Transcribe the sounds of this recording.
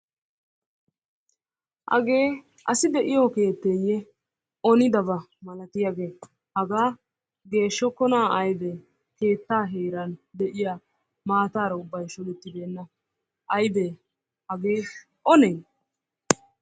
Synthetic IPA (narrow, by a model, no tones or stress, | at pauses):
ʔɐ̰ɡe̞ː | ʔɐsɪd̪ɛʔɪjɔke̞ːt̪ːejɛ | ʔɔnɪd̪ɐbɐ | mɐlɐt̪ɪjɐɡe | hɐɡaː | ɡe̞ːʃːɔkːɔnaːɐjd̪ɛ | ke̞ːt̪ːaːɦeːɾɐnd̪ɛʔɪja | maːt̪aːɾɐʊbːɐjʃɔlɛt̪ːɪd̪eːnːɐ | ʔɐjd̪ɛ | hɐɡeː | ʔɔneː